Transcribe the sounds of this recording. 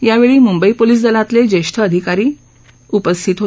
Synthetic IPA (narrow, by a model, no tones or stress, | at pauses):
jaʋeɭiːmumbəipoliːs̬d̪əlat̪led͡ʑeʂʈ̪ʰəːd̪ʱikaɾiː | upəst̪ʰit̪ɦo